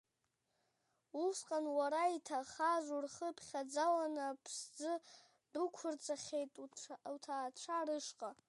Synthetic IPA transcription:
usqʼanwaɾaitʰaχaʒʷurχəpʰχʲad͡zalanapʰsd͡zɨ | dukʷʰʊrt͡sʰʼaχʲe̞jtʼwtʰaːt͡ʃʷʰaɾɨʂqʼa

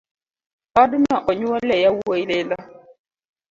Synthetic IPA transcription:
badɪnaʔɔɲuwalɛjawojlela

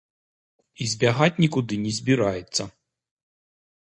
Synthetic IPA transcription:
izʲbʲaɦatʲnʲikʊd̪ɪnʲizʲbʲiɾajet͡sʲːɐ

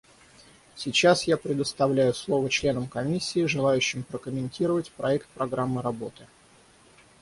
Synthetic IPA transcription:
sʲɪt͡ɕasjapɾʲɪd̪əst̪ɐvlʲæjʊslˠo̞vət͡ɕlʲe̞nəmkɐmʲisʲːɪːʐɨlˠajʉɕːɪmpɾəkəmʲɪnʲtʲiɾəvətʲpɾɐɛkt̪̚pɾɐɡɾamːɨɾɐbo̞t̪ɨ

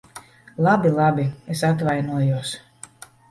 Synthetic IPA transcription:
lˠabilˠabiesat̪̬vajnuɔjuɔs

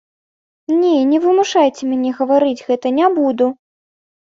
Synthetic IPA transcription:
nʲɛnʲɛvɨmuʂajt͡sʲɛmʲanʲɛɣɐvaɾɨd͡zʲɣɛt̪ɐnʲabud̪u

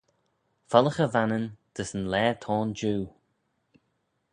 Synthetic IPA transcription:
fɔləxəvanənd̪̥əsənlɛːt̪ʰɔːnd͡ʒuː

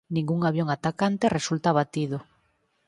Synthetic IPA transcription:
nĩŋɡuŋaβjoŋat̪akant̪eresult̪aβat̪ið̞ʊ

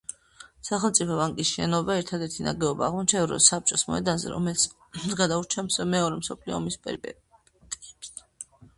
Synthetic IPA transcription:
saχɛlˠt̪sʼipʰɔvaŋkʼisʃɛnɔbaɛɾt̪ʰad̪ɛɾt̪ʰina̰ɡɛɔbaːʁmɔt͡ʃʰaɛvɾɔ̰sap̚t͡ʃʼɔsmɔ̰ɛd̪anzɛ̰ɾɔ̰mɛlt̪sʰ | ɡad̪auɾt͡ʃʰamsɔmɛɔɾɛmsɔpʰliɔ̰ɔmispʼɛ̰ɾbɛ | t̪kʼi̥ps

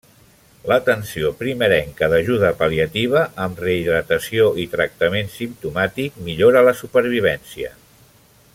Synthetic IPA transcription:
lət̪ənsiopɾiməɾɛŋkəðəʒuð̞əpəliət̪iβ̞əʔəmreiðɾət̪əsioʔit̪ɾək̚t̪əmensimt̪umat̪ik̚miʎoɾələsupəɾβ̞iβɛnsiə̰

